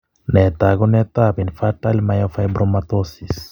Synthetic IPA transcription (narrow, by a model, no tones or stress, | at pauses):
nɛt̪aɡɔnɛt̪abinfatalmajɔfajbɾɔmat̪osis